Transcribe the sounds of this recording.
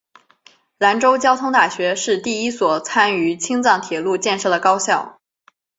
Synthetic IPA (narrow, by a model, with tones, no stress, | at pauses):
la˧˥nʈ͡ʂo˥ʊt͡ɕjɑ˥ʊt̪ʰʊ˥ŋt̪a˥˩ɕɥɛ˧˥ʂɻ̩˥˧t̪i˥˩i˥swɔ˨˩t͡sʰa˥ny˧˥t͡ɕʰi˥ŋt͡sɑ˥˩ŋt̪ʰjɛ˨˩lu˥˧t͡ɕjɛ˥˧nʂɤ˥˩d̪ə˩kɑ˥ʊɕjɑ˥˩ʊ